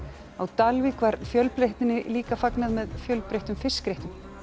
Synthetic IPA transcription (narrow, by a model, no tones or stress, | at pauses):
awt̪alvikvaɾfjœlpɾeht̪ɪnːɪliːkafaknaðmɛðfjœlpɾejht̪ʏmfɪskɾejht̪ʏm